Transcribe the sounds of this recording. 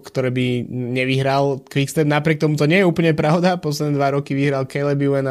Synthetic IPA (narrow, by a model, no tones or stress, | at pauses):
kt̪ɔɾɛːbiɲɛʋiɦɾalkʋikst̪ɛnapɾɪɛk̚t̪ɔmut̪ɔɲɪɛjɛuːpl̩ɲɛpɾaʊd̪apɔs̬lɛd̪nɛd̪ʋaɾɔkiʋiɦɾalkɛlɛbiuɛn